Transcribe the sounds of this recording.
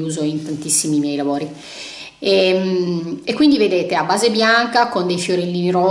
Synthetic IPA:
uːzoint̪ant̪isːimimjɛjlavoːɾi | emekːwind̪ived̪eːt̪eabːaːzebjaŋkakond̪ejfjoɾelːiniɾo

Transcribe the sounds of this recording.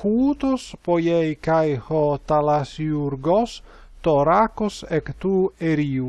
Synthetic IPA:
huːt̪ospojejkajhot̪alasiuɾɡos | t̪oɾakosekt̪ueɾiːu

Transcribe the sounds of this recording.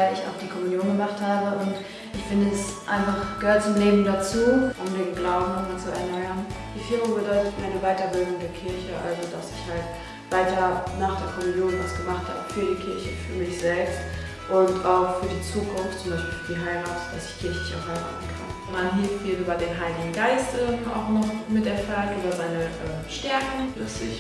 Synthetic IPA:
aɪlɪça̰ʊxd̥iːkʰɔmunjoːnɡəmaχthaːbəʔʊnt | ʔɪçfɪndəɛsʔa̰ɪnfaχɡ̥əhøɐtt͡sʊmleːbm̩dat͡suːʔʊmdeːnɡlaʊbm̩ʊmat͡suɛ̰ɐnɔʏɐnd̥iːfɪɐmʊbədɔʏtətmaɪnəvaɪtɐbɪldʊnŋdeːɐkʰɪɐçəʔa̰lzodasɪçhalt | v̥aɪtɐnaːχd̥eːɐkʰɔmɪnjoːnvasɡ̥əmaχtha̰ːbəfyːɐdiːkʰɪɐçəfyːɐmɪçz̥ɛlpst | ʔʊntaʊxfyːɐdiːt͡suːkʰʊnftt͡sʊmbaɪʃpiːlfdiːɦaɪʁaːtd̥a̰sɪçkʰɪɐçlɪça̰ʊxhaɪʁa̰ːtn̩kʰa̰n | manɦiːffiːlnyːbɐdeːnɦaɪlɪɡŋ̩ɡaɪstʔɛɐa̰ʊxnɔχmɪtɛɐfaltʔoːdɐzaɪnəʔɛːmʃtɛɐkŋ̩flœt͡sɪç

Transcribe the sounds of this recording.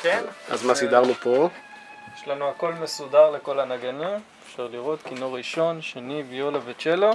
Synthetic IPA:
kena̰zmasid̪aʁlupo | jeʃlanuako̞lme̞sudaʁle̞ko̞lanaɡanimefʃaʁliʁo̞t̪kinoʁiʃo̞nʃenivjolavet͡ʃelo

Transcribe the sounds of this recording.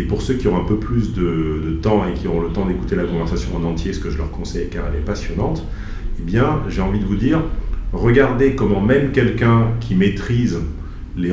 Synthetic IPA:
epuʁsøkʲiɔ̃ɛ̃pøplysd̪əd̪ət̪ɑ̃ekʲiɔʁɔ̃lət̪ɑ̃d̪eku̥t̪elakɔ̃vɛʁsasjɔ̃ɑ̃nɑ̃t̪jesə̥kəʒəlœʁkɔ̃sɛjkaʁɛlɛpasjɔnɑ̃t̪ | ebjɛ̃ʒeɑ̃vid̪əvud̪iːʁʁəɡaʁd̪ekɔmɑ̃mɛmkʲɛlkʲɛ̃kʲʰimet̪χiz | le

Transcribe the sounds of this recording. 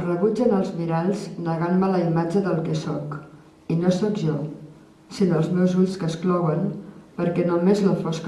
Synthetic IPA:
rəβud͡ʒənəlˠzmiɾaʎznəɣanmələimad͡ʒəðəlˠkɛsɔk | inosɔkʒɔ | sinoəlˠzmɛwzuʎskəsklɔwənpəɾkɛnomezləfɔsk

